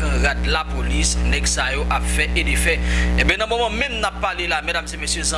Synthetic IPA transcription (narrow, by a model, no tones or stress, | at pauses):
kɐ̃ʁad̪lapolisnɛɡsajoʔapfɛʔedefɛebɛ̃nɐ̃momʌ̃mɛ̃mnapːalelamɛdamzemesjøz̃